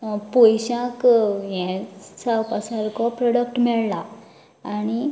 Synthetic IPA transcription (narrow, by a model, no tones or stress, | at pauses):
pojɕãkjɛ̃sawpasaɾkɔpɾɔɽəkʈmɛɭlaː | ñi